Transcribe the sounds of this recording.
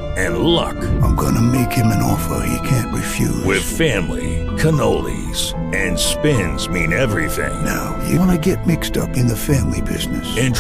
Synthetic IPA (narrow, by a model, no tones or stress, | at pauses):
ɨ̃nlʌ̰kãɪ̃mɡʌnəmeɪkhɨ̃mɨ̃nɔ̰fə̰˞ḭkʰæ̃nʔɹɨfjʉ̰wɪð̥fæ̃mlḭkʰɨnoʊlˠḭ | z̥ | ɨ̃nspɪ̃nz̥mĩnɛvɹiθɪ̰̃ŋna̰ʊjɨ̰wɑnɨɡɛt̚mɪkstʌ̰pɨ̃nðɨfæ̃mlibɪznɨsɪ̃n